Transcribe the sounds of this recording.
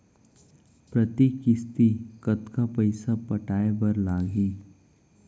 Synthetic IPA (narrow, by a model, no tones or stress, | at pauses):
pɾɐt̪ikːɪst̪ikɐt̪kapɐɪsapɐʈaːebɐɾlaːɡiː